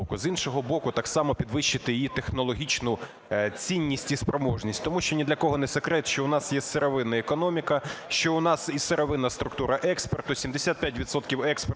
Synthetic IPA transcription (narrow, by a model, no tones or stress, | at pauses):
kʊzinʃɔɦɔbɔkʊt̪ɑksɑmɔpʲid̪ʋɪʃt͡ʃɪt̪ɪjijit̪exnɔlˠɔɦʲit͡ʃnʊ | t͡sʲinʲːisʲtʲispɾɔmɔʒnʲisʲtʲt̪ɔmuʃt͡ʃɔnʲid̪lʲɐkɔɦɔnɛsekɾɛt̪ʃt͡ʃɔʊnɑsjɛseɾɔʋɪnːɐekɔnɔmʲikɐʃt͡ʃɔʊnɑsiseɾɔʋɪnːɐst̪ɾʊkt̪uɾɐʔɛkspert̪ʊsʲimd̪esʲat̪̚pʲjatʲʋʲid̪sɔt̪kʲiwɛksp